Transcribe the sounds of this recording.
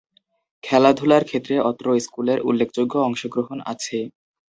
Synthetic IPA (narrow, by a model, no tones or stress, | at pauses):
kʰɛlad̪ʱulaɾkʰet̪ːɾeʔɔt̪ɾoiskuleɾṵlːekʰd͡ʑoɡːoɔŋʃoɡɾoɦona̰t͡ɕʰe